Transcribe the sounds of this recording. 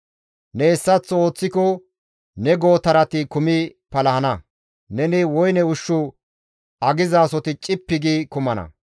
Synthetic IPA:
nɛɛsːɐt͡sːo̞ːt͡sːɪkɔ | nɛɡo̞ːt̪ɐɾɐt̪ɪkʊmɪpɐlɐhɐnɐ | nɛnɪwɔjnɛʊʃːʊ | ʔɐɡɪzaːsɔt̪ɪt͡ʃʼɪpːɪɡikʊmɐnɐ̰

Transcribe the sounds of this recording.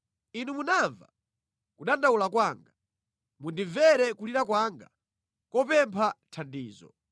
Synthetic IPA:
inumunaɱva̰ | kuɗandaulakwaːŋɡa | mundiɱvɛɾɛkuliɾakwaːŋɡa̰ | kɔpɛmpʰatʰandiːzɔ̰

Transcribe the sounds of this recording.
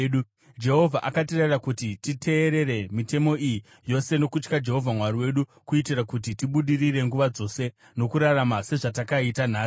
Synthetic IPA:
ɗu | d͡ʒe̞ɦo̞vʱaʔakatererakutititʰe̞ːɾe̞re̞mite̞mo̞iji | jo̞se̞no̞kut͡ʃkad͡ʒe̞ɦo̞vʱamwaɾiwe̞ɗukuitirakut̬itiɓuɗiriɾe̞ŋɡuʋad͡zo̞se̞ | no̞kuɾaramase̞ʐatakaitan̤aː

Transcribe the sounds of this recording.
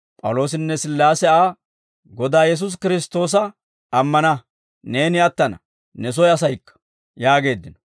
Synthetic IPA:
pʼɐ̰wlo̞ːs̬ɪnːɛsɪlːaːsɛaː | ɡɔd̪aːjɛs̬ʊs̬kɪɾɪst̪o̞ːs̬ɐ | ɐmːɐnɐ | ne̞ːnɪɐt̪ːɐnɐ̰ | nɛs̬ɔjɐsɐjkːɐ̥ | jaːɡe̞ːd̪ːɪnɔ̥

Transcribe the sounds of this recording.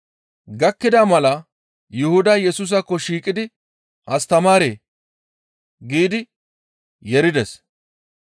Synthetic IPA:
ɡɐkːɪd̪aːmɐlɐ | jʊhʊd̪ɐjɛsuːs̬ɐkːɔʃiːkʼɪd̪ɪ | ʔɐst̪ɐmaːɾeː | ɡiːd̪ɪ | jɛɾɪd̪ɛs

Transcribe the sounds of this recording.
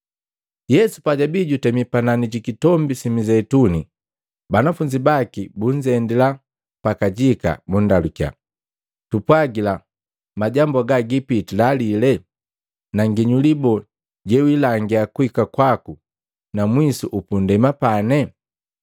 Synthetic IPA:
jɛsu̥paɟabiɟutɛmipananiɟikitɔmbisimizɛtuni | banafuɲd͡ʒibakibuɲd͡ʒɛndila | pakaɟika̰bundalukja̰ | tupwaɡila | maɟambaɡaɡipitilalilɛ | naŋɡiɲulibɔ | ɟɛwilaŋɡiakuhikakwaku | namwisuʔupundɛmapanɛ

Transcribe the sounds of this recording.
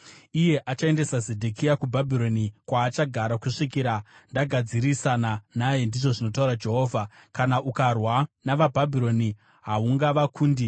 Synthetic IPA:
ije̞ʔat͡ʃae̞ndesazedʱekijakubʱabʱiɾo̞nikwaːt͡ʃaɡʱaɾakuʂikiːɾandaɡʱad͡ziɾisananaje̞ndiʐo̞ʐino̞tauɾad͡ʒe̞ɦo̞ːvʱakanaʔukarwanaʋabʱabʱiɾo̞ni | ɦauŋɡaʋakʰuːndi

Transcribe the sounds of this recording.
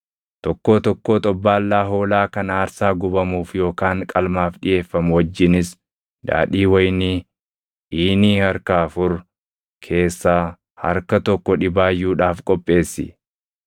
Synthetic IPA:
t̪ɔkːo̞ːt̪ɔkːoːt̪ʼɔbːaːlːaːɦo̞ːlaːkɐnaːɾsaːɡʊbɐmuːfjo̞ːkaːŋkʼɐlmaːfᶑɪje̞ːfːɐmwɐd͡ʒːɪnɪs | d̪a̰ːᶑiːwɐjniː | ʔiːniːhɐɾkaːɐfʊɾ | kʰe̞ːsːaː | hɐ̰ɾkɐt̪ɔkːɔᶑɪbaːjːuːᶑaːfkʼɔpʼːe̞ːsːɪ̰

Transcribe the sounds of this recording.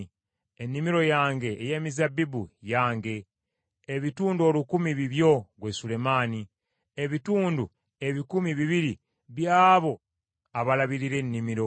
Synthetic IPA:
enːimiɾo̞jaːŋɡe̞ːje̞ːmizabibujaːŋɡe̞ː | βituːnduo̞ːlukumiβiβjo̞ɡwe̞sule̞maːni | e̞βituːndu | e̞βikumiβiβiɾi | βjaːβo̞ | aβalaβiɾiɾe̞nːimiɾo̞

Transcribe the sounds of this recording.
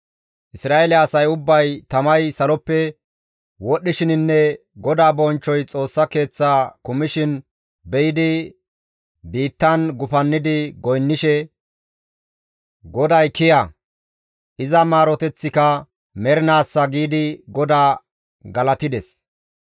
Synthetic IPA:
ʔɪsɾaːelɛɐsɐjʊbːɐjt̪ɐmɐjsɐlɔpːɛ | wɔɗːɪʃɪnɪnːɛ | ɡɔd̪aːbɔnt͡ʃːɔjt͡sʼo̞ːsːɐke̞ːt͡sːaːkʊmɪʃɪn | bɛjɪd̪ɪ | biːt̪ːɐnɡʊfɐnːɪd̪ɪɡɔjnːɪʃɛ | ɡɔd̪ɐjkɪja | ʔɪzɐmaːɾɔt̪ɛt͡sːɪkɐ | mɛɾɪnaːsːɐɡiːd̪ɪɡɔd̪aː | ɡɐlɐt̪ɪd̪ɛs

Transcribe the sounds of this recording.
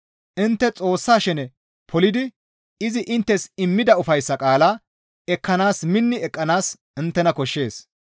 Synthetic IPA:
ʔɪnt̪ːɛt͡sʼo̞ːsːaːʃɛnɛ | pʰɔlɪd̪ɪ | ɪzɪʔɪnt̪ːɛsɪmːɪd̪ɐʊfɐjsːɐkʼaːla | ɛkːɐnaːsmɪnːɪɛkʼːɐnaːs | ɪnt̪ːɛnɐkɔʃːe̞ːs

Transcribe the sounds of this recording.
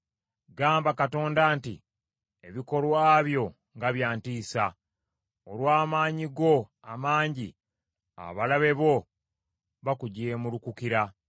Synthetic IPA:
ɡaːmbakato̞ːndaːntḭ | eβiko̞lwaːβjo̞ | ŋɡaβjaːntiːsa | olwaːmaːɲiɡo̞ | amaːɲɟi | a̰βalaβe̞βo̞ | βakuɟe̞ːmulukukiɾa

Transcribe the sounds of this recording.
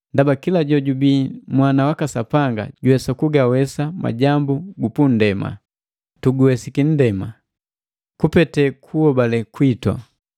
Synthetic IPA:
ndabakilaɟɔɟubimwanawakasapaŋɡa̰ɟuwɛsakuɡawɛsama̰ɟambuɡupun̩dɛma̰ | tuɡuwɛsikin̩dɛma | kupɛtɛkʰuhɔbalɛkwitwa̰

